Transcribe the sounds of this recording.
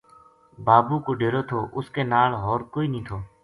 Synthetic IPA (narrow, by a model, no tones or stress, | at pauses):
baːbuːkoːɖeːɾoːt̪ʰoːʔʊskeːnaːlɦɔːɾkoːiːnĩːt̪ʰoː